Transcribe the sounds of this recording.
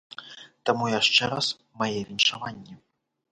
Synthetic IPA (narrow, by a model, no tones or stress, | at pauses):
t̪amujaʂt͡ʂɛɾas | majɛvʲinʲʂavanʲːɛ